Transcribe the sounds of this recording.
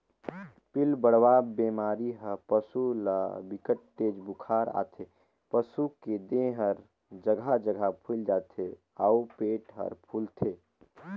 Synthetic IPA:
pɪlbəɽwaːbeːmaːɾiɦəpəsula̰bɪkəʈːeːd͡ʒbukʰaːɾa̰ːt̪ʰe | pəsuked̪ẽɦəɾ | d͡ʒəɡʱad͡ʒəɡʱapʰuld͡ʒaːt̪ʰe | aupeːʈɦə̰ɾpʰult̪ʰeː

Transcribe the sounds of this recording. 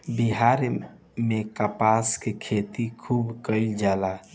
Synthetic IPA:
biɦaɾ | mekapaskekʰet̪ikʰubkəɪld͡ʒala

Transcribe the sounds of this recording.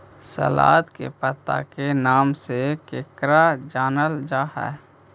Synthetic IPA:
sə̰la̰ːt̪kḛpət̪a̰kenaːmsekeːkɾad͡ʒaːnəld͡ʒaːɦɛ̰ː

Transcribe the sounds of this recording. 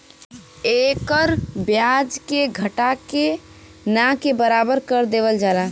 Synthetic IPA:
ekəɾbjad͡ʒkeɡʱəʈake | nakebəɾabəɾkəɾd̪eːʋəld͡ʒala

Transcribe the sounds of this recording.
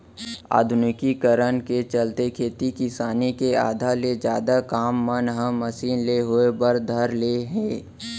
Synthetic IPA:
a̰ːd̪ʱʊnɪkikəɾənket͡ʃəlt̪ekʰeːt̪ikɪsaːnikeaːd̪ʱaled͡ʒjaːd̪akaːmːənɦə̃ːəsiːnleɦoebəɾd̪ʱəɾleɦɛ̃ː

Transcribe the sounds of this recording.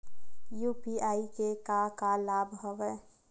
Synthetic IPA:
juːpiaːikekakalaːbʱɦəʋə

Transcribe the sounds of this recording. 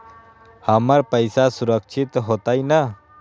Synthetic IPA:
həmaɾpəjsasuɾək̚t͡ʃʰit̪ɦot̪ajna

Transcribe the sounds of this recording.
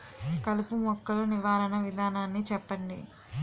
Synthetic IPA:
kɐlupumɔkːɐluniʋaːɾɐnɐʋid̪ʱaːnaːnːit͡ʃɛpːɐɳɖḭ

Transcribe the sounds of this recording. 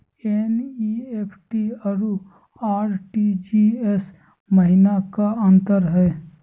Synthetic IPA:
eniepʰʈiəɾu | aːɾʈid͡ʒies | məɦɪnakaə̃nt̪əɾɦɛː

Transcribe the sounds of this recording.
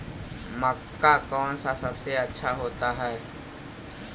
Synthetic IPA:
məkːakɔːnsasɐbseɐtːʃʰaɦoːt̪aɦɛː

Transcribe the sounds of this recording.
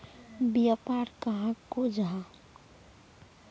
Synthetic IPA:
bjapaɾkəɦãkod͡ʒɦã

